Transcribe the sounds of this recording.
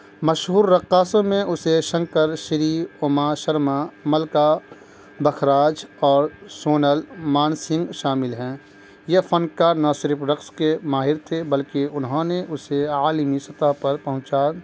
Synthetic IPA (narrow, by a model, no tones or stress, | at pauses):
mɐʃɦuːɾːɐqːaːsõmẽʔʊseʃɐ̃ŋkəɾʃəɾiːʊmaʃɐɾmaməlka | bɐxʰɾaːd͡ʒɔːɾsoːnəlmaːnsɪ̃ŋɡʃaːmɪlɦɛ̃ː | jefʰənkaːɾnasɪɾfɾɐkskemaːɦɪɾt̪ʰebɐlkeʊnɦõneʔʊseaːlmisɐt̪aɦpɐɾpɐɦʊ̃t͡ʃa